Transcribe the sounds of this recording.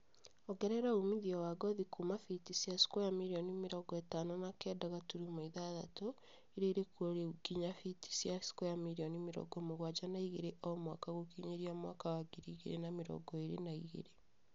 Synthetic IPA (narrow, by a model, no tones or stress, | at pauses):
oɡɛɾɛɾaumiðiɔwaɡɔðikumafitisiasi̥kɔjamiɾiɔnimiɾɔɡɔetanonakɛːdaɣatuɾimoiðaða̰to | iɾeiɾekoɾeuɡiɲafiti̥siasi̥kɔjamiɾionimiɾɔ̰ɡɔmoɣwad͡ʒanaiɣeɾeʔomwaːkaɣokiɲeɾiamwa̰kawaɡiɾiɣeɾḛnamiɾɔ̰ɡɔeɾenaiɣḛɾe